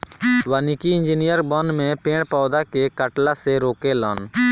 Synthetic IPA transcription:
ʋaːnikiɪnd͡ʒinijəɾbɔnmẽːpẽːɽpɔːd̪aːkekəʈlaːseɾoːkeːlɔːn

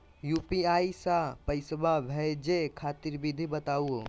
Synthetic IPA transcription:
juːpiaːisapɐɪsəbʱaʋʱɛd͡ʒekʰaːt̪iɾbid̪ʱibɐt̪aːuo

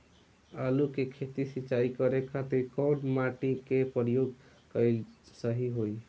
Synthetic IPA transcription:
əlukekʰet̪isit͡ʃaikʌɾekat̪oikɔwɽmaʈikepəɾjoɡ | kʌɪlsəɦiɦoj

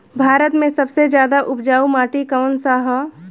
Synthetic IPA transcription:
bʱaːɾət̪mẽsɐbsed͡ʒjaːd̪aʔʊpd͡ʒaːumaːʈikəʋnsaːɦə

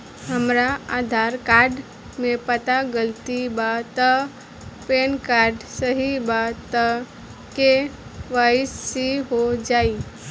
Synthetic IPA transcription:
həmɾaaːd̪ʱaːɾkaːɾɖ | mẽpət̪aɡəlt̪ibat̪ə | penkaːɾɖsəɦibat̪ə | keʋasːiɦod͡ʒaːi

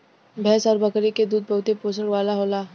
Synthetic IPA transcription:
bʱɛːsɔːɾbɐkɾiked̪uːd̪̚bɐɦʊt̪epoːsəɽʋaːlaɦoːlaː

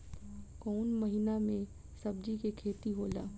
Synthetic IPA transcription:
kɔːnməɦinamẽ | sɐb̚d͡ʒikekʰeːt̪iɦoːlaː

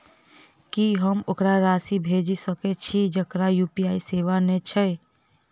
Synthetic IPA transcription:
kiɦəmokɾaɾasibʱed͡ʒisəkɛt͡ʃʰid͡ʒəkɾajupiaiseʋanet͡ʃʰɛ

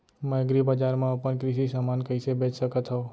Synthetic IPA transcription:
mɛ̃ɡɾibad͡ʒaːɾmãəpənkɾisisaːmaːnkəɪsebeːt͡ʃsəkət̪ɦoː

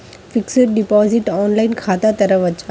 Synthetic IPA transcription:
fɪksəɾɖɪpɔːzɪʈɔːnlaːɪnkʰaːt̪at̪ɐɾəʋɐt͡ʃʰa

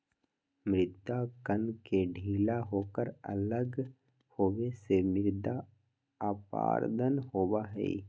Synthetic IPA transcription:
mɾɪt̪ːakənkeɖʱiːlaɦoːkəɾə̰ləɡ | hoːʋesemɪɾd̪a | aːpa̰ːɾd̪ʱənɦoːwaɦɛ̰ːi

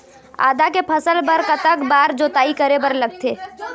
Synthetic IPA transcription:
a̰ːd̪akepʰəsəlbəɾkət̪əkbaːɾd͡ʒoːt̪aːikəɾebəɾləɡ̚t̪ʰeː

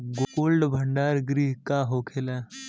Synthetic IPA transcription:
ɡokoːlɖbʱə̃ɳɖaːɾɡɾiːɦkaɦoːkʰelaː

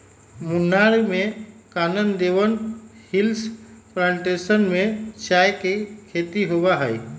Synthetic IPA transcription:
mʊnaɭmẽkaːnənd̪eʋənhɪlspɾãɳʈesənmẽt͡ʃaːjkekʰeːt̪iɦoʋaɦəj

